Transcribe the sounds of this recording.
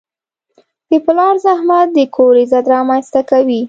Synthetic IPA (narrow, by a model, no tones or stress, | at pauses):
d̪̥əplɑɾzahmat̪̚d̪əkʰoɾezad̪ɾɑmanst̪akawi